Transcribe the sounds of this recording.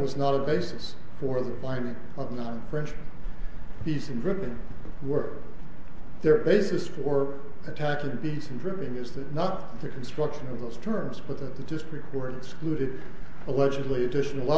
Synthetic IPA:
wʌznəɾəbeɪsɨs | fə˞ðəfãɪ̃nɪ̃ŋ | ʌvnɑ̃nə̃ɱfɹɛ̃nd͡ʒm̃n̩ | b̥idzɨ̃ndɹɪpɪ̃ŋ | wə˞ | ðə˞beɪsɨsfə˞ | ɨtʰækɪ̃ŋbidz̃n̩dɹɪpɪ̃ŋɪzðɨtⁿnət̪̚ðɨkʰn̩stɹ̥ʌkʃɨ̃nʌvðoʊz̥tʰɜ̃˞mzbʌt̪̚ðɨt̪̚ðɨdɪstɹ̥ɨkʰːɔɹɾɨksklʉɾɨɾ | əlɛd͡ʒɨdˡliɨdɪʃn̩l̩ˠa

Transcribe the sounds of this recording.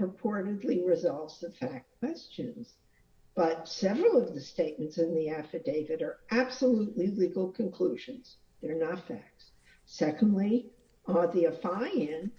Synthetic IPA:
ɹɨpʰɔɹɾɨdˡliɹɨzɑlˠvz̥ðəfæk̚ʰw̥ɛst͡ʃɨ̃nz̥ | b̥ʌtsɛvɹl̩ˠʌvðɨsteɪt̚mɨ̃n̩tsɨ̃nðiæfɨdeɪvɨɾə˞ʔæb̥səluʔˡliliɡl̩ˠkʰɨ̃nkʰl̥uʒɨ̃nz̥ | ðə˞nətfæ̰k̚s | sɛkə̃n̩dˡli | əðiɨfaɪɪ̃n

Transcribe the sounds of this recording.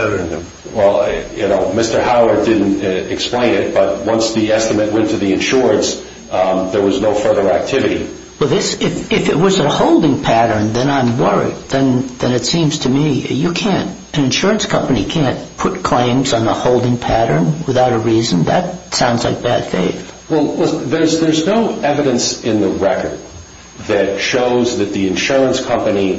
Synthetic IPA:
wɛlˠjɨnoʊmɪstə˞haʊə˞dɪdⁿn̩tɨksplẽɪ̃nɪt̚b̥ʌt̚wʌ̃nsðiɛstɨmɨtwɛ̃ntʰɨðiɨ̃nʃʊɹɨ̃ns | ðə˞wʌznoʊfɜ˞ðə˞æk̚tʰɪvɨɾḭ | wɛlˠðɪsɪfɪfɨt̚wʌzɨhoʊlˠdɪ̃ŋpʰæɾə̃˞nðɨ̃nãɪ̃mwɜ˞ḭd̪̚ðɨ̃nðɨ̃nɨtsĩmz̥tʰɨmijɨkʰæ̃nt | ɨ̃nɨ̃nʃʊɹɨ̃nskʰʌ̃mpɨnikʰæ̃npʰʊt̚kʰl̥ẽɪ̃mzn̩ðəhoʊlˠdɪ̃ŋpʰæɾə̃˞nwəθaʊɾəɹizɨ̃n̩ðɨt̚sãʊ̃ndzlaɪk̚b̥æd̥fḛɪθwɛlˠwɛðə˞zðə˞znoʊɛvɨɾɨ̃nsɪ̃nðəɹɛkə̰˞d̚ | ðɨtʃoʊzðɨt̪̚ðiɨ̃nʃʊɹə̃nskʰʌ̃mpɨni

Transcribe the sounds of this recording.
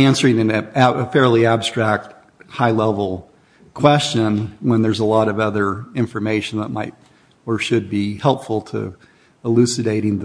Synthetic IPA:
æ̃nsə˞ɪ̃ŋɨ̃nəfɛɹliæb̥stɹ̥æk̚t̚ | haɪlɛvl̩ˠ | kʰw̥ɛst͡ʃɨ̃nwə̃nðə˞zəlɔɾʌvʌðə˞ɪ̃ɱfə˞meɪʃn̩ðət̚maɪɾ | ə˞ʃɨd̚bihɛlˠpfl̩ˠtʰɨ̰ | əlʉsɨdeɪɾɪ̃ŋð

